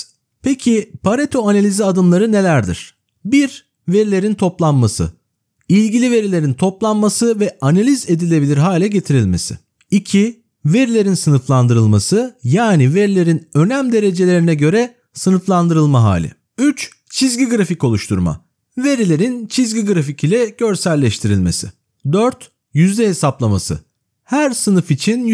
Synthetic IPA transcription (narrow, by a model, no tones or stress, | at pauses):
pʰecʰipʰaɾet̪ʰoanalʲiziad̪ɯmlˠaɾɯne̞lʲæɾd̪ḭɾ̥ | biɾ | ve̞ɾilʲe̞ɾint̪ʰo̞plˠanmasɯ̰ | ilʲɟilʲive̞ɾilʲe̞ɾint̪ʰo̞plˠanmasɯvɛanalʲize̞d̪ilʲebilʲiɾɦaːlʲɛɟe̞t̪ʰiɾilʲme̞sɪ̰ | icʰi | ve̞ɾilʲe̞ɾinsɯnɯflˠand̪ɯɾɯlˠmasɯjaːnive̞ɾilʲe̞ɾinø̞næmd̪e̞ɾe̞d͡ʒe̞lʲe̞ɾinɛɟø̞ɾɛ | sɯnɯflˠand̪ɯɾɯlˠmaɦa̰ːlʲɪ̰ | yt͡ʃ | t͡ʃʰizɟiɡɾafico̞lˠuʃt̪ʰuɾma̰ | ve̞ɾilʲe̞ɾint͡ʃʰizɟiɡɾaficʰilʲɛɟ̥ø̞ɾsælʲːɛʃt̪ʰiɾilʲme̞̰sɪ̰ | d̪øɾt̪ | jyzd̪ɛɦe̞saplˠama̰sɯ̰ | hæɾsɯnɯfit͡ʃʰin